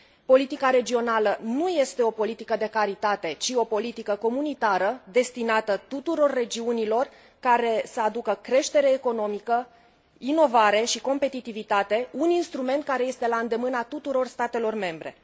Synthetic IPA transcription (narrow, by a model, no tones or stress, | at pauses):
po̞lit̪ikaɾe̞d͡ʒio̞nalənuje̞st̪e̞o̞po̞lit̪ikəd̪e̞kaɾit̪at̪e̞t͡ʃio̞po̞lit̪ikəko̞munit̪aɾəd̪e̞st̪inat̪ət̪ut̪uɾo̞rːe̞d͡ʒiunilo̞r | kaɾe̞səad̪ukəkɾe̞ʃt̪e̞ɾe̞ːko̞no̞mikə | ino̞vaɾe̞ʃiko̞mpe̞t̪it̪ivit̪at̪e̞uninst̪ɾume̞nt̪̚kaɾe̞je̞st̪e̞laɨnd̪e̞mɨnat̪ut̪uɾo̞rst̪at̪e̞lo̞rme̞mbɾe̞̰